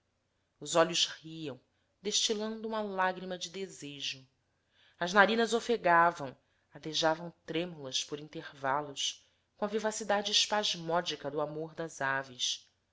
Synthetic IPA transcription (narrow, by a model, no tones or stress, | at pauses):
ʊzɔʎʊzhiɐ̃w̃ | d̪eʃt͡ʃilɐ̃nd̪ʊũmɐlaɡɾimɐd͡ʒɪd̪ezeʒʊ | ɐznaɾĩnɐzofeɡavɐ̃w̃ | ad̪eʒavɐ̃w̃t̪ɾẽmulɐspʊɾĩnt̪eɾvalʊʃ | kõɐvivasid̪ad͡ʒɪːʃpaʒmɔd͡ʒikɐd̪ʊamoɾd̪ɐzavis